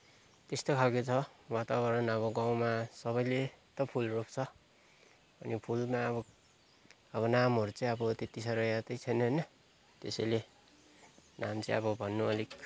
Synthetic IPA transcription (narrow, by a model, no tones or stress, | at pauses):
t̪est̪okʰalkot͡sʰʌwat̪abʌɾʌnʌβʌɡaw̃masʌβʌjlet̪ʌpʰulrop̚t͡sʰʌ | ʌnipʰulmaʌbʌ | ʌbʌnamɦʌɾut͡sʌĩʌbʌt̪et̪isʌɾʌjat̪ʌjt͡sʰʌjneɦnʌ | t̪esʌjle | namt͡sʌĩʌbʌbʱʌnːuʌliɡ